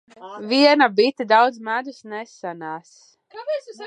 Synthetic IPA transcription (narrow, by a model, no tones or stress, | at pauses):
viɛnabit̪id̪awd̪zmæd̪usnɛsanaːs